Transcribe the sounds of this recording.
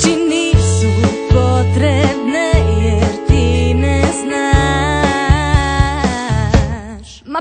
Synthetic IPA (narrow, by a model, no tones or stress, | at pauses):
t͡ʃinisupot̪ɾɛbnɛjɛɾt̪inɛzna | ʃ | m